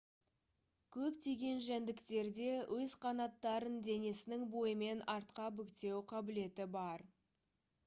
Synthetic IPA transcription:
kʲʰɵpt̪ʰe̞ɡʲe̞nʒænd̪ɪkt̪e̞ɾd̪e̞wʔɵzqʰɑnɑt̪ːɑɾənd̪e̞ne̞sɪnɪŋbo̞jəme̞nɑɾt̪qɑbʏkt̪e̞wqʰɑbɪle̞t̪ɪbɑɾ

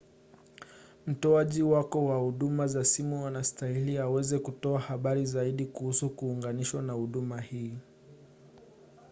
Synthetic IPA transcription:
m̩tɔaʄiwakɔwahuɗumazasimuanastailiawɛzɛkutɔahaɓaɾizaiɗikuhusukuːŋɡaniʃwanahuɗumahiː

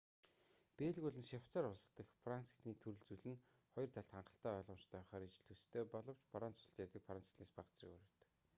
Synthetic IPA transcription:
peːɮɣuɮɘ̆nʃaw̥t͡saːɾʊɮst̪ə̆xpransi̥t̪ʰniːt̪ʰɵɾɵ̆ɮt͡suɮɘ̆n | χɔjɞ̆rt̪ʰaɮt̪ʰaɴɢə̆ɬt̪æːɔɮʁɞ̆mt͡ɕt̪ʰæːχaːɾit͡ɕɪ̆ɮt̪ʰɵst̪ʰːeːpɔɮɞ̆w̥t͡ɕpaɾaːnt͡sɵ̥sɘ̥̆ɬt̪jat̪ə̆kfransi̥t̪neːspaʁt͡srḭ̆kṵɾĕːt̪ɘ̥̆k

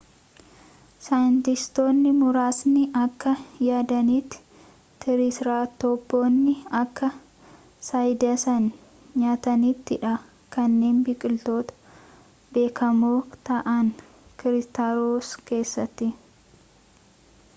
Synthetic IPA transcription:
sɐjɪnt̪ɪst̪o̞ːnːɪmʊɾaːsnɪʔɐkːɐjaːd̪ɐniːt̪ːɪ̥ | t̪ːɪɾɪsɾaːt̪ɔbːoːnːɪɐkːɐ | sɐjd̪ɐsɐn | ɲaːt̪ɐniːt̪ːɪᶑɐ | kɐnːe̞ːnbikʼɪlt̪o̞ːt̪ɐ̥ | be̞ːkʰɐmoːt̪ɐʔɐn | kɪɾɪst̪aɾoːske̞ːsːɐt̪ːɪ

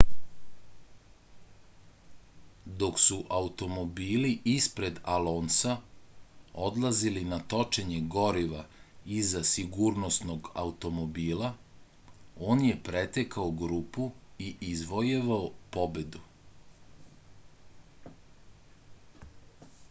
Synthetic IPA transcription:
d̪o̞ksuʔaut̪o̞mo̞biːliʔispɾe̞d̪aloːnsa | o̞d̪lˠazilinat̪o̞t͡ʃeɲeɡo̞ɾiʋaizasiɡuːɾno̞sno̞ɡa̰ut̪o̞mo̞biːla | o̞ːnje̞pɾet̪ekaoɡɾuːpuiʔizʋojeʋaopo̞be̞d̪u

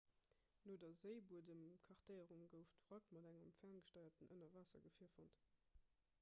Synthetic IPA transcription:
noːdɐzəɪbuədəmkʰɑʁtəɪəʁumɡəʊftfʁɑkmɑdæŋəmfæːnɡəʃtɑɪɐtənʔənɐvaːsɐ̰ɡəfiːɐfont

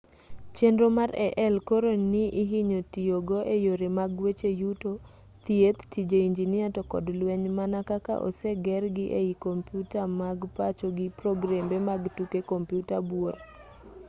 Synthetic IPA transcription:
t͡ʃendɾomarɛʔɛlkoɾonnɪʔɪɦiɲotioɡoʔejoɾemaɡwet͡ʃejuto | t̪iet̪tid͡ʒeiɲd͡ʒinɪatɔkɔ̰dlwɛɲmanakaka̰ʔɔ̰seɡɛrɡɪʔeikompjutamaɡpat͡ʃoɡɪprɔɡɾambemaɡtukekompjutabwor

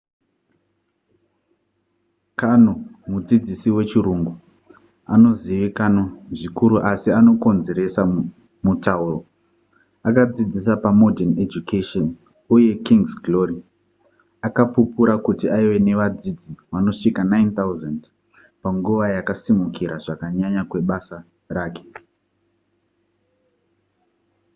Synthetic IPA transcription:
kanomud͡zid͡zisiwe̞t͡ʃiɾuŋɡu | ano̞ziʋikanoʐikuɾuʔasiano̞ko̞nze̞ɾe̞sa | mutauro | akad͡zid͡zisapamo̞dʱened͡ʒukʰeʃon | uje̞kiŋɡsɡlo̞ri | akapupuɾakutiaiwe̞ne̞ʋad͡zid͡ziʋano̞ʂikanajnt̪auzand | paŋɡuʋajakasimukiɾaʐakaɲaɲakwe̞ɓasa | raːke̞̥

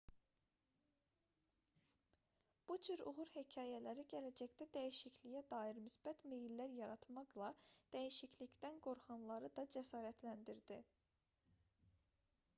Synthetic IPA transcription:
b̥ud͡ʒyɾṵʁuɾhecʰɑːjælæɾiɟælæd͡ʒæçd̪æd̪æjiʃiclijæd̪ɑːjiɾmysbæt̪mejlːæɾjɑɾɑt̪mɑqlˠɑd̪̥æjiʃicʰlicd̪ænɡo̞ɾχɑnlˠɑɾɯd̪ɑd͡ʒæsɑːɾæt̪ʰlænd̪iɾd̪i

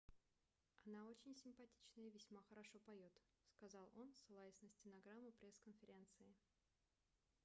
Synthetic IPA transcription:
ɐnao̞t͡ɕɪnʲsʲɪmpɐtʲit͡ɕnəjəvʲɪsʲmaxəɾɐʂo̞pɐjo̞t̪ | skɐzɑlˠo̞nsɨlˠajɪsʲnəsʲtʲɪnɐɡɾamːʊpɾʲe̞skənfʲɪɾʲe̞nt̪sɨɪ

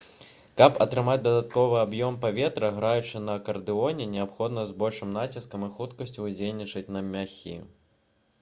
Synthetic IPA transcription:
kɐpɐt̪ɾɨmad͡zʲd̪ɐd̪at̪kɔvɨabjɔmpavʲɛt̪ɾɐɣɾajut͡ʂɨnɐkɐrd̪ɨɔnʲɛnʲɛapxɔd̪nɐzbɔlʲʂɨmnat͡sʲiskɐmixut̪kɐsʲt͡sʲud͡zʲelʲnʲit͡ʂɐt͡sʲnɐmʲaxʲḭ

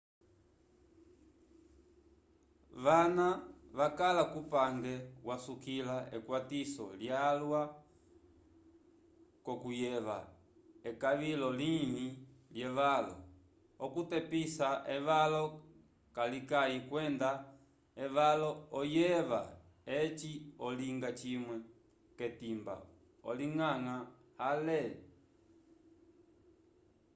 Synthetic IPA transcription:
ʋanaʋakalakupaŋɡɛwasukilaʔɛkwatisɔ̰ljalwa | kɔkujɛʋa̰ | ɛkaʋilɔliɲiljɛʋalɔ̰ | ɔkutɛpisaʔɛʋalɔ | kalikaikwɛnda | ɛʋalɔɔjɛʋa | ɛt͡ʃiɔliŋɡat͡ʃimwɛ | kɛtimba̰ | ɔ̰liŋaŋa | halɛ

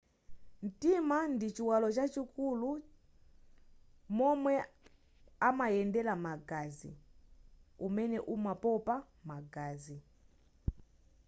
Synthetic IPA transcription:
n̩timandit͡ʃiwalɔt͡ʃat͡ʃikulu | mɔmwɛ | amajɛndɛlamaɡazḭ | umɛnɛʔumapɔpa | maɡazi

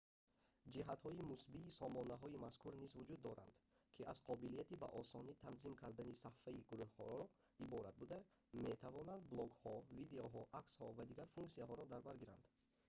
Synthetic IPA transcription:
d͡ʒiɦat̪hɔimusbiːsɔmɔnaɦɔimaskʰuɾnizvud͡ʒud̪ːɔɾa̰nd̪kʰiʔaz̥qʰɔbilijat̪iba̰ʔɔsɔnit̪ʰanzimkʰaɾd̪anisafaiɡuɾuhχɔ̰ɔɾɔ | ibɔɾat̪̚bud̪a | me̞t̪ʰavɔnand̪blˠɔɡhɔvid̪eɔɦɔʔakshɔvad̪iɡaɾfuŋksiaɦɔɾɔd̪aɾbaɾɡiɾand̪

